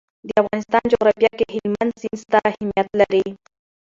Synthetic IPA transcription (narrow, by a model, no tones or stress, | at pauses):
d̪əafɣɑnɪst̪ɑnd͡ʒoɣɾɑfjɑkeɦɪlmand̪sɪnst̪ahɪmjat̪laɾi